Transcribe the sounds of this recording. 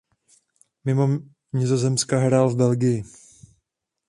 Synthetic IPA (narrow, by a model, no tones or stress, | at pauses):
mɪmo̞ | ɲɪzo̞zɛmskaɦɾaːlvbɛlɡɪjɪ